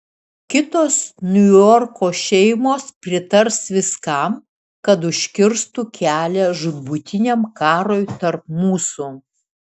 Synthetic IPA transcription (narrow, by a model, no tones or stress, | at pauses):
kʲɪt̪oːsnʲʊjɔɾkoːʃʲɛɪmoːspʲɾʲɪt̪ɐɾsʋʲɪskɐˑm | kɐt̪ʊʃʲkʲɪɾst̪ukʲæːlʲɛʒʊbʊt̪ʲɪnʲemkɑːɾoːjt̪ɐɾp̚muːsu